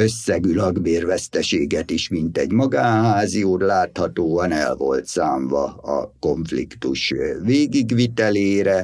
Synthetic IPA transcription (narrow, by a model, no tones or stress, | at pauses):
ø̞sːɛɡylɒɡbeːrvɛst̪ɛʃeːɡɛt̪iʃmint̪ɛ̰ɟmɒɡaːnɦaːzijoːt̪laːt̪hɒt̪oːɒnɛ̰lvo̞̰lt̪saːɱvɒ̰ɒ̰ko̞ɱflḭkt̪uʃveːɡiɡʋit̪ɛleːɾɛ